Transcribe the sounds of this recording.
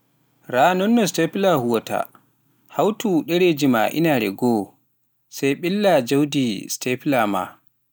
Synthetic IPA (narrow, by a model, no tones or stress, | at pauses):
ɾaːnɔnːɔstɛplahuwɔta̰ | hawtuɗɛɾed͡ʒima̰ʔḭnaɾɛ̰ɡɔː | sajɓilːad͡ʒawdistɛplama̰